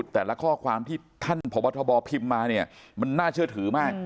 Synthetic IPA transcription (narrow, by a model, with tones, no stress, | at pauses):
u˨˩t̪ːɛː˨˩la˦˥kʰɔː˥˩kʰwaː˧mt̪ʰiː˥˩t̪ʰa˥˩npʰo˩˦mː˦˥t̪ʰɔ˧bɔː˧pʰi˧mːaː˧ni˥˩ɐma˧nːaː˥˩t͡ɕʰɯ˥˩ət̪ʰɯː˩˦maː˥˩k̚